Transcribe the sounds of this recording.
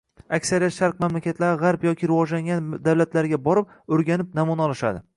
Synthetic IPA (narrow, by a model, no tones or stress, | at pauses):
akʲsaɾijat̪ʃaɾqmamlakʲat̪ʰlaɾɪʁaɾpjɒkʲɪɾɪvɒd͡ʒlaŋʲand̪awlat̪ʰlaɾɪɡʲabɒɾɪp̚ | ɵɾɡʲanɪp̚namɒnaɒlˠɪʃa̰d̪ɪ